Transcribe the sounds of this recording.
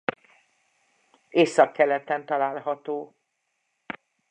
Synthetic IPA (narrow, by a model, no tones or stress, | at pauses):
eːsɒkːɛlɛt̪ɛnt̪ɒlaːlɦɒt̪oː